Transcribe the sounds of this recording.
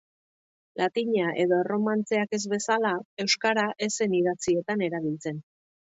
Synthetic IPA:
lat̪iɲaʔe̞ðo̞ero̞mant͡se̞ake̞zβe̞salae̞wskaɾaʔese̞niðat͡sie̞t̪ane̞ɾaβ̞ilt͡se̞n

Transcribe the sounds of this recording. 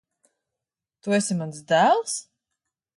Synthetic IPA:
t̪uɛsimansd̪æːlˠs

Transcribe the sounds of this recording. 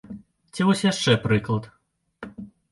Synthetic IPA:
t͡sʲivɔsʲjaʂt͡ʂɛpɾɨklˠɐt̪

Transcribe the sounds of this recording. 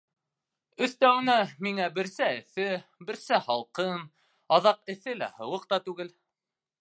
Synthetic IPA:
ɵ̆θt̪æwɘ̆næmiŋæbɘ̆ɾsæɘ̆θɘbɘ̆ɾsæhɑlˠqɤn | ɑðɑqɘ̆θɘlæ̰hɤ̆wɤqt̪ɑt̪ʉɡɘl

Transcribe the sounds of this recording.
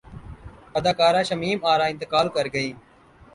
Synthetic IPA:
əd̪aːkaːɾãːʃəmiːmaːɾaːɪ̃nt̪ɪkaːlkəɾɡəiː

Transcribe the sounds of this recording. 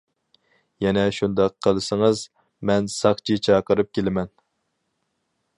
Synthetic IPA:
jɛnɛʃund̪ɑqʰːəlˠɨsəŋəz | mɛnsɑχt͡ʃʰit͡ʃʰɑːqəɾɨp̚kʲelɪmɛn

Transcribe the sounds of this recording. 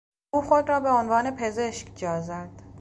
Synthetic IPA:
uːxo̞d̪ɾɒːbeonvɒːne̞pʰe̞ze̞ʃkʰd͡ʒɒːzæd̪̥

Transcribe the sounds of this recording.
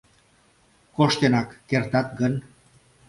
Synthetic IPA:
koʃt̪enakːeɾt̪at̪̚ɡən

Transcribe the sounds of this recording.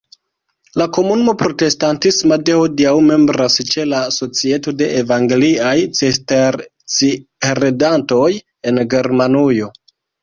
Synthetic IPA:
lako̞munumo̞pɾo̞te̞stantismadehodiawme̞mbɾast͡ʃe̞laso̞t͡sie̞to̞de̞ʔevaŋɡeliajt͡sesteɾ | t͡siɾedanto̞j | e̞nɡe̞ɾmanujo̞

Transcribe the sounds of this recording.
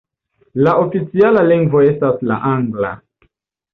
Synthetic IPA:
laofit͡sialaliŋɡvo̞e̞stasla̰ʔaŋɡla̰

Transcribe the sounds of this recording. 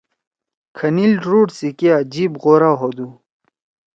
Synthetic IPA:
kʰɐnilʈɾuːʈsikiaːd͡ʑiːbʁoːɾaːɦoːd̪u

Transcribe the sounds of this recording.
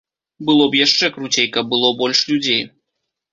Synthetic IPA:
bɨlˠɔbjaʂt͡ʂɛkɾut͡sʲejkɐb̚bɨlˠɔbɔlʲʂlʲud͡zʲej

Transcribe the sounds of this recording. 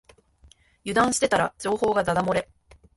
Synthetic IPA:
jɯ̟d̪ãɰ̃ɕi̥t̪e̞t̪aɾad͡ʑo̞ːho̞ːɡad̪ad̪amo̞ɾe̞

